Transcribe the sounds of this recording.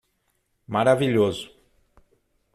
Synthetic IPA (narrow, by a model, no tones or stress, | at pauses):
maɾaviʎozʊ